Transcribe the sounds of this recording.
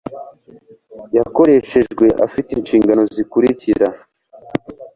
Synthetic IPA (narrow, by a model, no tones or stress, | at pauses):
jako̞ɾe̞ʃe̞ʒɡwe̞ʔa̰fitinʃiːŋɡano̞zikuɾiciɾa